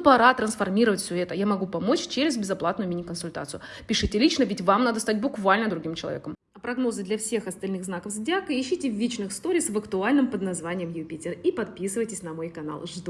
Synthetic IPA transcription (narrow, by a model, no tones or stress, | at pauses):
pɐɾat̪ɾənsfɐrmʲiɾəvətʲfʲsʲɵɛt̪əjamɐɡupɐmo̞t͡ɕt͡ɕeɾʲɪzbʲɪzɐplˠat̪nʊjʊmʲinʲɪkənsʊlʲt̪a̰t̪sɨjʊ | pʲɪʂɨtʲɪlʲit͡ɕnəvʲɪtʲvamnad̪əst̪at̚ʲbʊkvalʲnəd̪ɾʊɡʲimt͡ɕɪlˠɐ̰vʲḛkəm | ɐpɾɐɡno̞zɨd̪lʲɐfsʲe̞xɐst̪ɐlʲnɨɣznakəfzʲdʲakəɪɕːitʲɪvʲit͡ɕnɨxst̪oɾʲɪsvəkt̪ʊalʲnɨmpəd̪nɐzvanʲɪjəmjʊpʲitʲɪripɐt̪̚pʲisɨvəjtʲɪsʲnɐmo̞jkɐna̰lˠʐd̪